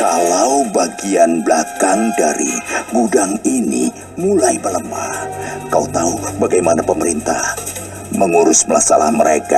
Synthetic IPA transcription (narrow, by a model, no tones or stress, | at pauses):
kalawbaɡianblakandaɾḭɡudaŋinḭ | mulajbələmakaut̪aubaɡajmanapəməɾint̪ah | məŋuɾʊsmlasala̰hməɾeka